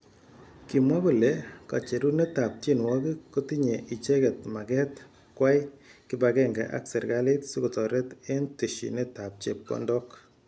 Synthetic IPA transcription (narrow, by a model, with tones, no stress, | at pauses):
ki˨mwa˦bo˨le˨˦ka̰˨t͡ʃe˨ɾu˦ne˦ta˨p̚t͡ʃi˦nwɔ˦ki˦ko˦ti˦ɲe˨ʔi˨t͡ʃe˦kɛ˨t̚ma˨kɛ˦t | kwa˦jki˨˦bakɛ˦ŋɡɛ̰˨ʔa̰˦ksɛ˨ɾɡa˦le˦tsu˦ko˨tɔ˨ɾɛ˦te˦nti˨ʃḭ˨ne˦ta˨p̚t͡ʃḛ˨p̚kɔ̰˦ndɔ˦k